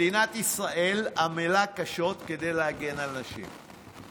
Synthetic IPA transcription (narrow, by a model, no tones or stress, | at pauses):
inat̪isʁaʔe̞lamelakaʃo̞t̪ke̞d̪e̞jlehaɡenalnaʃḭm